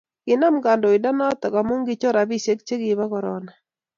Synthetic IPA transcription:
kɪ˨na˦mɡa˨ndo˨ɪ˨da˦na˦t̪ɔ˨ka˨mo˦ŋɡɪ˦t͡ʃɔ˦ɾa˨bi˦˨se˦k̚t͡ʃe˦ɡɪ˨ba˦kɔ˨ɾɔ̰˨na˨

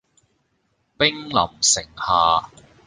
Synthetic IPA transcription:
pɪ˥ŋlɐ̰˨˩msɪ˨˩ŋhaː˨

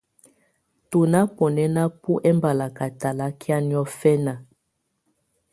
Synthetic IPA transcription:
tu˨na˦pɔ˨nɛ˦na˦pu˦ʔɛ˦mba˨la˨ka˨ta˨la˦kʰi˦a˦ni˦ɔ˦fɛ˦na˨

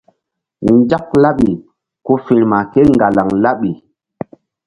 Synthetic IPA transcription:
ɲ˦d͡ʒa˦k̚la˦ɓi˨ | ku˦fi˨ɾma˨ke˦ŋɡa˨la˨ŋla˦ɓi˨

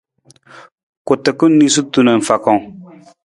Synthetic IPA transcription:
ko˨t̪ə˨kɨ˦ni˦s̬u˦tu˦nə˨fa˨kɔ˨ŋ˦

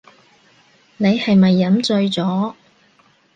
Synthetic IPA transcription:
ne˨˧jhɐ˨jmɐ˨jːɐ˨˥mt͡ʃɵ˧ɥt͡sɔː˨˥

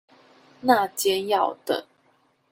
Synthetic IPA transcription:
na˥˨t͡ɕjɛ˥˦jɑ˥˨˩ʊt̪ə̰˨

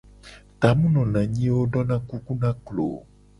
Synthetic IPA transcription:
t̪a˨mũ˦nɔ̃˨nã˨ɲĩ˦wo˦ɖɔ˦nã˦ku˦ku˦nã˦klo̰˨

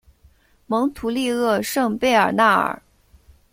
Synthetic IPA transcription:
mɤ˧˥ŋt̪ʰu˧˥li˥˧ɤ˥˧ʂɤ˥˧ŋpe˥˩ɪə̰˞˨˩na˥˩ə̰˨˩˦

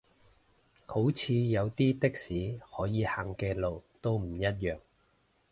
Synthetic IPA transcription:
ho˨˥wt͡sʰiː˧jɐ˨˧wt̪iː˥t̪ɪ˥k̚siː˨˥hɔː˨˥jiː˨˧haː˨ŋkɛː˧lo˨wt̪o˥wm̩˨˩jɐ˥t̚jœː˨˩ŋ

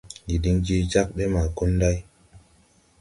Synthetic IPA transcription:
ji˨ɗi˦ŋd͡ʒi˦t͡ʃa˦k̚ɗe˦ma˨ku˦nda˦j

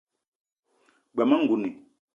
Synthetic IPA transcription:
ɡ͡ba˨ma˦ŋ̩˨ɡu˨ni˨

